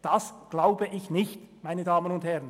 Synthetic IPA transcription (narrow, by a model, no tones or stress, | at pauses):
d̥ɑsɡ̥laʊbəʔɪçnɪçtmaɪnədaːmənʊnthɛʁən